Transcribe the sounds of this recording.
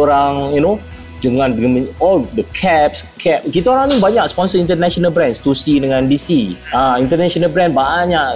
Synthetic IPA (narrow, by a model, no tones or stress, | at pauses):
oɾaŋjuno | dəŋãndməɔldəkʰɛp̚skʰɛp̚kit̪aoɾaŋnibaɲakspɔnsəĩnt̪ənɛʃɔnalbɾɛ̃nst̪usidəŋãndisiãint̪ənɛʃɔnalbɾɛ̃nbaɲaʔ